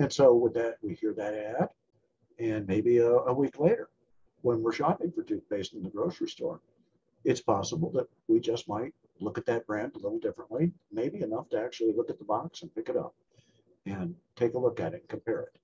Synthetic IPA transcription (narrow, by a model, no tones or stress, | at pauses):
ɨ̃nsoʊwəðɨt̚wihiɹðɨɾæɾ | ɨ̃nmeɪbiəwikleɪɾə˞ | wə̃nwɪɹʃɑpɪ̃ŋfə˞tʰʉb̥eɪstn̩ðɨɡɹoʊsɹistɔ̰ɹ | ɨtspʰɑsəbl̩ˠðɨt̚wid͡ʒʌsmaɪt̚ | lʊkɨt̪̚ðɨt̚b̥ɹæ̃ndəlɪɾl̩ˠdɪfɹə̃nʔlimeɪbiɨnʌftʰɨæk̚t͡ʃʉl̩ˠilʊkɨt̪̚ðəbɑksn̩pɪkɨɾʌ̰p̚ | ɨ̃ntʰeɪkəlʊkɨɾɨt̚ⁿn̩kʰɨ̃m̩pʰɛɹɪt̚